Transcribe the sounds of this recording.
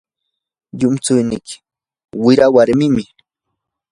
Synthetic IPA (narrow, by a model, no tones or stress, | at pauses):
ʎʊmt͡sʊjnɪkɪ̥ | wɪɾawaɾmɪmɪ